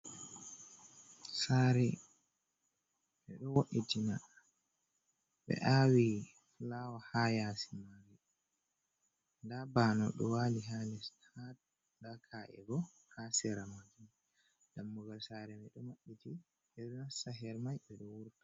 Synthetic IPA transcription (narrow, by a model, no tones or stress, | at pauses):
saɾɛ | mɛɗɔwoɗitina | ɓɛ̰ʔawi | flawahajasimaɾi | ndabaːnɔ̰ɗɔ̰waliɦalɛstʰad | ndakʰaʔɛ̰bɔ | hasɛɾamad͡ʒum | damːuɡalsaːɾɛmɛɗɔwaɗːiti | ɓɛɗɔnasaɦɛɾmajɓɛɗɔwuɾtḁ